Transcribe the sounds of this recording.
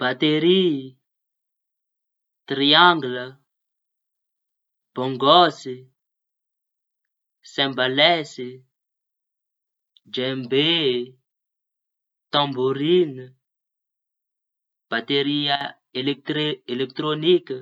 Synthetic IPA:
b̥at̪eɾi | t̪ɾiãŋɡlə | b̥ɔ̃ŋɡɔsi | sɛ̃balɛsi | d͡ʒɛ̃mbe | t̪ãmboɾin | b̥at̪eɾia | elɛk̚t̪ɾielɛk̚t̪ɾonik

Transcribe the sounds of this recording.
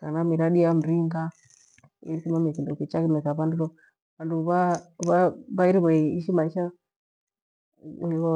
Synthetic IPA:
kanamiɾaɗiam̩ɾiŋɡa | ḭɾisimamikindukit͡ʃakimɛkaβanduβɔ | βanduβaβaβaiɾiβɔiʃimaiʃa | niβɔ

